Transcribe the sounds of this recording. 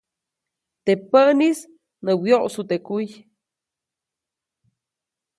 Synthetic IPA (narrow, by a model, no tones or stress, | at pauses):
t̪epənis | nəwjoʔsut̪ekuj